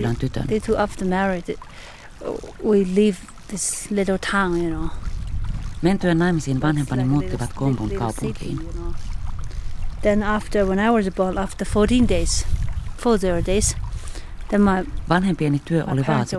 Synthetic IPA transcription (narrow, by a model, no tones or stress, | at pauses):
lːænt̪yt̪ø̰netʰuʔæftəmɛɹɪd | wiliv | ðɪslɪɾl̩ˠtʰãʊ̃njɨnoʊ | ment̪yænːɑjmisiːnʋɑnhempɑnimmuːt̪ːiʋɑt̪kompuŋkɑupukʰḭːnno | ðə̃næftə˞wə̃ñaɪwʌzəbɔ̃næftə˞fɔɾĩndeɪz̥fɔɹðəɹdeɪz̥ | ðə̃nmaɪʋɑnhempienit̪yøʔoliʋɑːt̪i